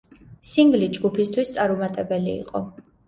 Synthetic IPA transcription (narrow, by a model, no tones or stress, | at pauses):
siŋɡlid͡ʒɡupʰist̪ʰwist̪sʼaɾumat̪ʼɛbɛlḭːqʼɔ